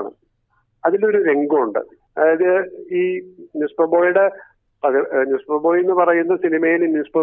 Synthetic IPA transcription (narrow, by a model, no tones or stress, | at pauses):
ɳɨ̰ | ɐðilo̞ɾuɾe̞ŋɡuuɳɖɨ̰ | ɐðajɐðɨiːnuspɐbo̞ːjuɽe | prɐɣnuspɐbo̞ːjenːɨpɐrɐjunːɐsinimɐjilinispɐ